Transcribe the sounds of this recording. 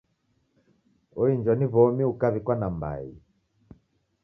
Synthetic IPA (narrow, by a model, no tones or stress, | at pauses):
ɔind͡ʒɔniβɔmiukaβikwanamba̰i